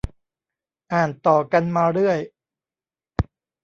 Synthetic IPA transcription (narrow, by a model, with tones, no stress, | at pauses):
ʔaː˨˩nt̪ɔː˨˩ka˧nmaː˧ɾɯ˥˩əj